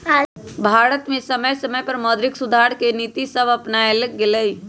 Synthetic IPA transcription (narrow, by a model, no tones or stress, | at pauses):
bʱaːɾət̪mẽsɐməjsɐməjpɐɾmɔːd̪ɾɪksʊd̪ʱaːɾkeniːt̪isɐbɐpnaelɡɪləi